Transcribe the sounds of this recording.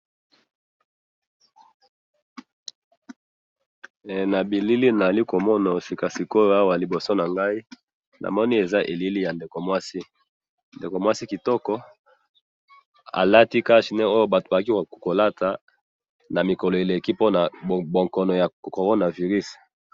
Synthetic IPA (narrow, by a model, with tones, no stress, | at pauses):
na˨bi˨li˦li˦na˨za˨li˦ko˨mɔ˦na˨o˨si˨ka˨si˨ko˦jo˦a˦wa˨li˨bo˨so˦na˨ŋɡa˦i˦ | nʔa̰˨mɔ˦ni˦e˨za˦ʔe˨li˦li˦ja˨nde˨ko˨mwa˦si˦ | nde˨ko˨mwa˦si˦ki˨tɔ˦kɔ˦ | a̰˨la˦ti˦ka˦ʃi˨nɛ˦o˦jo˦ba˨to˨ba˨˦k̬i˦˨ko˨la˦ta˨ | na˨mi˨kɔ˨lɔ˨e˨le˨ki˦po˦na˨bo˨ŋkɔ˨nɔ˨ja˨ko˨ʁo˦na˨vi˨ʁy˦s